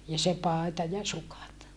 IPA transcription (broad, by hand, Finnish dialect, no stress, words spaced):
jɑ se pɑˑetɑ jɑ sukɑt